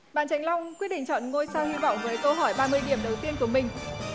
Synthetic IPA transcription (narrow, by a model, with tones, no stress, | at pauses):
ɓa̰ː˧˨nt͡ɕa˨˦jŋ̟la˧wŋ͡mkwi˦˥t̚ɗḭ˧˨ŋt͡ɕɔ̰˧˨nŋo˧jsaː˧whi˧vɔ̰˧˨wŋ͡mvəː˨˦jkə˧wɦɔ˧˩jɓaː˧mɨ˧əjɗi˧˩əmɗə˨˩wt̪i˧ənku˧˩əmï˨˩ŋ̟